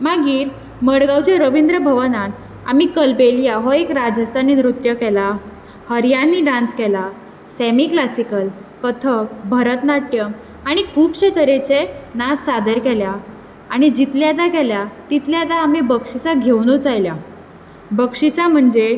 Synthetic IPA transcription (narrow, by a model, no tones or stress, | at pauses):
maɡiːɾ | məɽɡawt͡ɕeɾəʋind̪ɾəbʱəʋənat̪ | a̰mikəlpelijaɦɔekɾad͡zəst̪ʰaniːnɾut̪jəkɛla | həɾjanːiɖãnskɛla | sɛmiklasikəlkət̪ʰək̚bʱəɾət̪naʈjəm | aɽ̃ikʰuːbɕet̪ʰəɾet͡ɕenat̪sad̪əɾkɛlja | aɽ̃id͡ʑit̪ljat̪akɛljat̪it̪ljad̪aːmibəkʂit͡saɡʱewnut͡sajlja | bəkʂit͡sam̤əɳd͡ze